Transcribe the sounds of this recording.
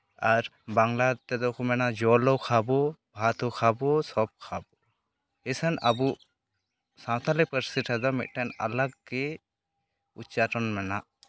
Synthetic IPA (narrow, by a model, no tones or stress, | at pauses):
aɾ | baŋlat̪ɛd̪ɔkʰɔmɛnad͡ʒɔlɔwkʰabɔbʱat̪ɔkʰabɔsɔb̚kʰabɔ | ɛsənabu | sãw̃t̪ʰalɛpəɾsiʈʰad̪ɔmḭt̪̚ˀʈana̰laɡɡɛ | ut͡ʃaʈɔnmɛnaʔ